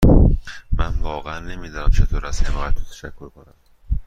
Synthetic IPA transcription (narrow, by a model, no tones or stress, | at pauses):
mænvɒːɣeænːe̞miːd̪ɒːnæmt͡ʃʰe̞t̪ʰoːɾæshemɒæt̪ʰːo̥t̪ʰæ̥ʃækʰːoɾkʰonæm